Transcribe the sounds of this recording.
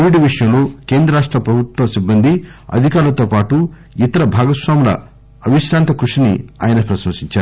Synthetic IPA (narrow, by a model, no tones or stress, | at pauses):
ʋiɖiʋiʂɐjɐmloːke̞ːnd̪ɾɐɾaːʂʈɾɐpɾɐbʱut̪wɐmsibːɐnd̪ʱiɐ̰d̪ʱikaːɾulɐt̪oːpaːʈu | it̪ɐɾɐbʱaːɡɐsʋaːmlɐ̰ | ɐʋiʃɾaːnt̪ɐkɾuʂinḭa̰ːjɐnɐpɾɐʃmɐsiɲt͡ʃaːɾu